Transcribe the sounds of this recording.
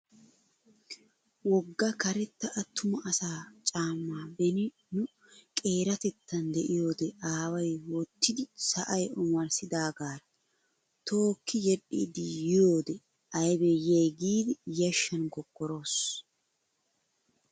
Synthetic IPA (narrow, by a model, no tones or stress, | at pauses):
wɔɡːɐkɐɾɛt̪ːɐʔɐt̪ʰːʊmɐʔɐsaːt͡ʃʼaːmːaːbɛnɪ | nʊ | kʼe̞ːɾɐt̪ɛt̪ːɐnd̪ɛʔɪjo̞ːd̪ɛʔaːwɐjwɔt̪ːɪd̪ɪsɐʔɐjʊmɐɾsɪd̪aːɡaːɾɐ | t̪ʰo̞ːkːɪjɛɗiːd̪ɪjɪjo̞ːd̪ɛ | ɐjbɛjejɡiːd̪ɪjɐʃːɐnɡɔɡːɔɾo̞ːs